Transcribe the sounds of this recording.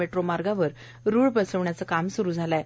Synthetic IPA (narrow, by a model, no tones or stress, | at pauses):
eʈɾomaɾɡaʋəɾ | ɾuɭpəsəʋɳjat͡səkamsuɾuːd͡zʱala